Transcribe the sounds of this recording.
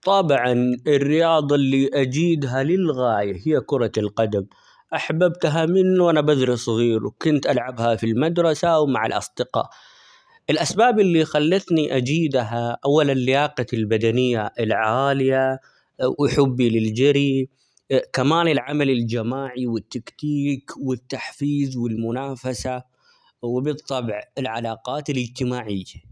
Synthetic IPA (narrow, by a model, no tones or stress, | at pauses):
t̪ˤɑbʕɑnɪrːɪjɑːd̪ˤɑlːiʔad͡ʒiːd̪ɦalɪlɣaːjahɪjːakʊɾˤɑlqɑd̪am | ʔaħbabt̪ɦamɪnːwʔanabad̪ɾisˤɣiːɾṵkʊnt̪ʔalʕabhafilmad̪ɾˤɑsawmaʕɪ̰lʔɑ̰sˤd̪ɪqɑ̰ːʔ | ʔɪlʔasbaːbɪlːixalːaθniʔad͡ʒiːd̪ɦaʔawːalɪlːɪjaːqɑlbad̪anɪjːaʔɪlʕaːlɪja | wʔħʊbːilɪld͡ʒaɾi | kamaːnɪlʕamalɪld͡ʒamaːʕiwɪt̪ːakt̪iːkwɪt̪ːaħfiːzwɪlmʊnaːfasa | wɪbɨt̪ˤːɑbʕɪlʕalɑːqɑːt̪ɪlɪd͡ʒt̪ɪmaːʕɪjːa